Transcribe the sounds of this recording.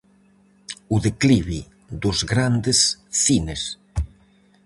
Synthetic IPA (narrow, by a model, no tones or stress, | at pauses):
uðekliβi | d̪ozɣɾand̪esθines